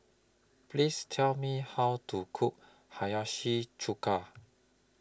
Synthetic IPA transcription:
pʰlistʰɛlmihawtʰukʰuʔ̚ | hajaʃit͡ʃʰukʰa

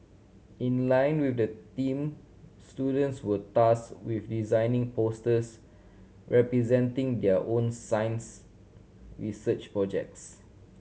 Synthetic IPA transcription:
ĩnlãj̃nwifdətĩm | studə̃ntswətaskwifdizãjnĩŋpostəs | ɹʔɛpɹizɛ̃ntĩŋdɛəʔõnsãj̃ns | ɹisət͡ʃpɹɔd͡ʒɛ̰k̚ts

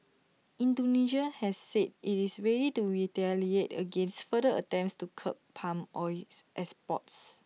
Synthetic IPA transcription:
ʔĩndoniʃahɛsːɛd̚itisɹedituɹitɛlietə̰ɡẽnstfədəətɛ̃mpstukʰə̰ppʰãmɔjsʔɛspɔ̰ts

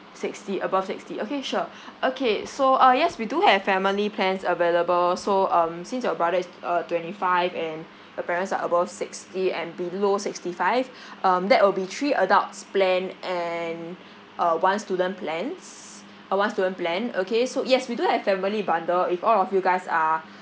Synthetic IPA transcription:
sikstiʔəbafsḭkstiokeʃu | ʔokʰesoʔʌjɛswiduhɛv̥fɛmilipʰlɛ̃nsəveləbəlsoʌ̃msĩns̬awəbɹadəisʌtwɛ̃ntifaɪvɛ̃n | dəpɛɹə̃ntsa̰ʔəbafsɪkstiɛ̰̃nbilosikstifaɪv | ʔʌ̃mdɛʔ̚wilbitʰɹiʔədaʊtsplɛ̃nʔɛn | ʔəwãnstudə̃npʰlɛ̃ns | ʔəwãnstudə̃nplɛ̃nokesojɛswiduhɛv̥fɛmilibãndəlifɔlɔfjuɡaɪsa

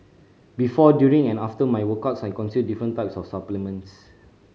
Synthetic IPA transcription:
bifɔdjuɹĩŋɛ̃naftəmajwəkatsajkɔ̃nsidifɹə̃ntaɪpsɔfsaplimə̃ns

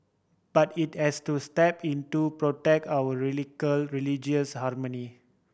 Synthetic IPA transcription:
b̥atithɛstustɛpĩntupɹotɛk̚tawəɹilikəlɹilid͡ʒəshaɾməni

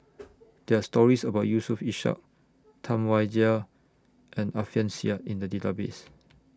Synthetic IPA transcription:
d̥ɛastɔɹisəbaʊt̚jusufiʃa̰k̚ | tʰãmwaɪdiə | ʔɛ̃nafiə̃nsiaĩndədilabes

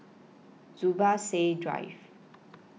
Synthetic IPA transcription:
d͡zubasedɾa̰jv

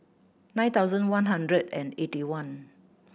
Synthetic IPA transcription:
nãɪj̃nt̪awzə̃nwãnɦãndɹədɛ̃netiwãn

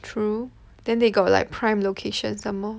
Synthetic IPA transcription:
tʰɹu | d̥ɛ̃ndeɡɔt̚la̰ɪk̚pʰɹãɪ̃mlokʰeʃə̃nsãmmɔ

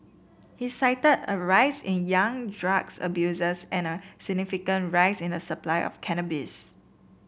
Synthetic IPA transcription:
hisaɪtədəɹaɪsɪ̰̃njãŋdɹaɡsə̰bjuzəsɛ̃nəsɪɡ̚nifikə̃ntɹaɪsɪ̃ndəsəplaɪʔɔ̰fkʰɛnəbis

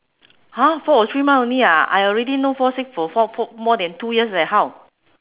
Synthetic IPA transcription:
hafɔɔt̪ʰɹimãnniaa̰jɔlɹɛdinofɔsɪkfɔfɔfɔmɔdɛ̃ntujiəslɛt̚haw

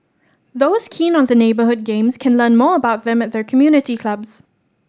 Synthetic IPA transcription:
ðoʊskʰĩːnɔ̃nðəneɪbəhʊd̚ɡẽmskʰɛ̃nlɜ̃ːnmɔːəbaʊt̚ðɛ̃mɛt̚ðɛkʰəmjuːnɪtikʰl̥abs

